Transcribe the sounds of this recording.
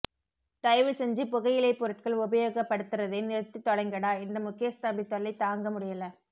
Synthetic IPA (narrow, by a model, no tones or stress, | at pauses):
t̪ɐɪʋɪsɛɲd͡ʒɯpʊɣɐjɪlɐɪpːʊɾɐʈ̚kɐɭʊbɐjoːɣɐpːɐɽɯt̪ːɯrɐðɐɪnɪɾɯt̪ːɯt̪ːɔɽɐɪŋɡɐɽaːɪndrɐmʊkːɪjɐst̪aːbit̪ːɔɭːɐɪt̪ːaːŋɡɐmʊɽɪjɐlɐ